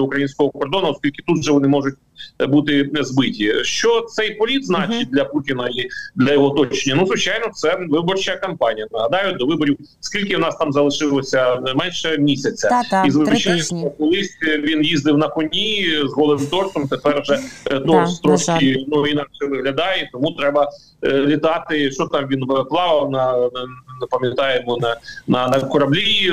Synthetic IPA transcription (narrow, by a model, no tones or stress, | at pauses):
ɐukɾɐjinʲsʲkɔɦɔkɔrd̪ɔnɐɔskʲilʲkɪ̥t̪ut̪ʒɛʋɔnɪmɔʐʊt̚ʲ | but̪ɪzbɪtʲiʃt͡ʃɔt̪sɛjpɔlʲid̪znɑt͡ʃɪt̚ʲd̪lʲɐputʲinɐid̪lʲɐjɔɦɔt̪ɔt͡ʃenʲːɐnuzʋɪt͡ʃɑjnɔt̪sɛʋɪbɔrt͡ʃɐkɐmpɑnʲijɐnɐɦɐd̪ɑjʊd̪ɔʋɪbɔɾʲiw | skʲilʲkɪwnɑst̪ɑmzɐlˠɪʃɪlˠɔsʲɐmɛnʃɛmʲisʲɐt͡sʲːɐizʋɪɔt͡ʃanʲɐkɔlˠɪsʲʋʲinjizd̪ɪwnɐkɔnʲizɦɔlˠɪmt̪ɔrsɔmt̪epɛrʒɛt̪ɔst̪ɾɔʃkʲinuinɑkʃɛʋɪɦlʲɐd̪ɑjɛt̪ɔmut̪ɾɛbɐ | lʲit̪ɑt̪ɪʃt͡ʃɔt̪ɑmʋʲinʋɪplˠɑʋɐwnɐ | nɐpɐmʲjɐt̪ɑjemɔnɐnɐnɐkɔɾɐblʲi